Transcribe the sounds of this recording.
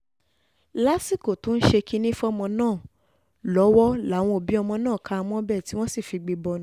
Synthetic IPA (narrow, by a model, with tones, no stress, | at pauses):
la˦si˦˨ko˨tũ˦n̩˦ʃe˧ki˦nĩ˦fɔ˦˧mɔ̃˧nãː˦˨ | lɔ˨˦wɔ˦la˨˦˨w̃ɔ̃˧o˨bĩ˨˦ɔ˧mɔ̃˧nãː˦˨kʰa˧mɔ̃˦bɛ˦˨ti˨˦w̃ɔ̃˦si˦˨fi˧ɡ͡be˧bɔ˧ñ˨˦